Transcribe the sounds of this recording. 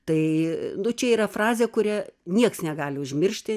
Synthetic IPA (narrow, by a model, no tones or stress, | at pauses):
t̪ɐɪnʊt͡ʃʲɛiːɾɐfrɑːzʲeːkʊɾʲɛnʲiɛksnʲɛɡɑːlʲɪʊʒʲmʲɪrʲʃʲt̪ʲɪ